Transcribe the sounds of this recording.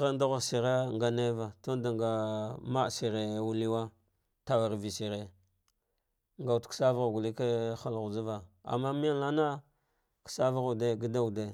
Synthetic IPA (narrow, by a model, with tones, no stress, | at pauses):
ɣa˦n˦da˦ɣa˨ɾsi˨ɾe˦ŋɡa˨ne˦va˨to˦nda˨ŋɡa˨ma˦˨si˨ɾe˨wu˦li˦wa˦ | ta˨wa˨ɾvi˨si˨ɾe˦ | ŋɡa˨wtksa˦va˦ɣa˨ɡu˨li˦ke˦xa˦lɣu˨d͡ʒa˦va˨a̰˨mːa˦mi˦ja˦nla˦na˦ | ki̥˨sa˦va˦ɣu˨de˦ɡi˦da˦u˨de˨